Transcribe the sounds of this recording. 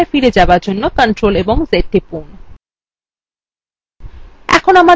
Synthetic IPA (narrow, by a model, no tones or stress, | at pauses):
efiɾed͡ʑabaɾd͡ʑonːokənʈɾoleboŋzeʈːipun | ɛ̰kʰonama